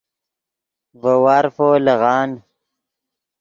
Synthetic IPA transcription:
vɐwaɾfoːleɣɑːn

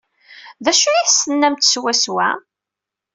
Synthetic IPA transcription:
ðæʃuiθsənːæmt̪swæswæ̰

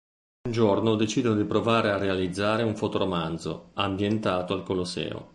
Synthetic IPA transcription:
und͡ʒornod̪et͡ʃiːd̪onod̪ipɾovaːɾearːealid̪zːaːɾeuɱfot̪oɾomand̪zo̰ambjent̪aːt̪oalkolosɛ̰ːo̰

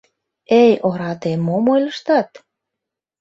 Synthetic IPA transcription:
ejoɾɑt̪emːomojləʃt̪ɑt̪

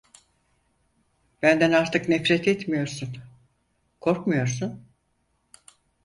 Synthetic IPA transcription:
bænd̪ænaɾt̪ʰɯknɛfɾɛt̪ʰɛt̪mijo̞ɾsun | kʰo̞ɾkmujo̞ɾsun

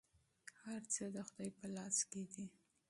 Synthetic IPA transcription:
haɾt͡səd̪əxʊd̪ɑjpəlɑsked̪i

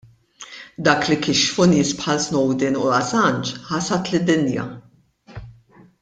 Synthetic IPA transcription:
d̪ɐːklɪkɪʃfʊnɪːspħɐlsnɔwd̪ɪnʊɐsɐnt͡ʃħɐsɐt̪lɪd̪ːɪnjɐ̰

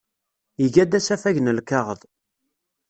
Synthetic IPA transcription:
iʝæd̪æsæfæʝnəlkɑʁəðˤ

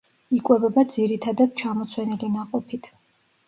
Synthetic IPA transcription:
ikʼwɛbɛbad̪ziɾit̪ʰad̪ad̪̥̚t͡ʃʰamɔt̪sʰwɛnilinaqʼɔpʰit̪ʰ

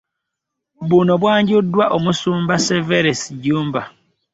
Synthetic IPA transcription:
bunoβwaːɲɟudːwaʔomusuːmbaseveɾesiɟuːmba

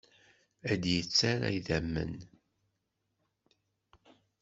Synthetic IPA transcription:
æd̪jət͡sːaɾæ̰jðæmːə̰n

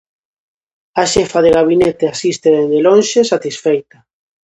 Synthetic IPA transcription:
aʃɛfaðeɣaβinet̪easist̪eðend̪elõnʃesat̪isfejt̪a

